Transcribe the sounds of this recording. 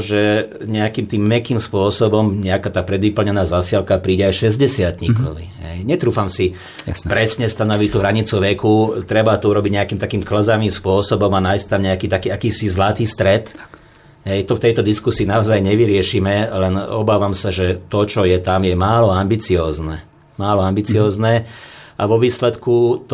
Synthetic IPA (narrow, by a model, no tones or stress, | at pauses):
ʒɛɲɛakiːmt̪iːmːɛkiːmspʊɔsɔbɔmɲɛakaːt̪aːpɾɛd̪ʋipl̩ɲɛnaːzasɪalkapɾiːɟɛajʃɛzɟɛsɪat̪ɲikɔʋḭɦɛjɲɛt̪ɾuːfamsi | pɾɛsɲɛst̪anɔʋic̚t̪uːɦɾaɲit͡suʋɛkut̪ɾɛbat̪ɔuɾɔbiɟɲɛakiːmt̪akiːmkl̩zaʋiːmspʊɔsɔbɔmanajst̪amɲɛakiːt̪akiːakiːsizlat̪iːst̪ɾɛt̪ | ɦɛjt̪ɔft̪ɛjt̪ɔd̪iskusiːnaɔzajɲɛʋiɾɪɛʃiːmɛlɛnɔbaːʋamsaʒɛt̪ɔt͡ʃɔjɛt̪amjɛmaːlɔambit͡siɔːznɛ | maːlɔambit͡siɔːznɛaʋɔʋiːslɛt̪kut̪